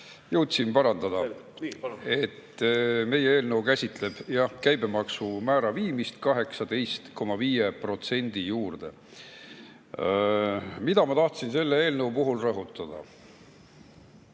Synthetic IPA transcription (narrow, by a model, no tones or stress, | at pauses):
jɤwt̪simpɑɾɑnd̪ɑd̪̥ɑ | e̞t̪ːme̞jeeːlnəwkæsʲit̪ˑle̞b̥jɑkæjbe̞mɑksumæːɾɑviːmist̪kɑɦe̞ksɑd̪̥e̞jst̪ko̞mɑviːjepro̞t̪se̞nʲd̪̥ijuːrd̪̥e̞ | mid̪̥ɑmɑt̪ɑht̪sinse̞lːee̞ːlnəwpuɦulrɤɦut̪ːˑɑd̪̥ɑ̰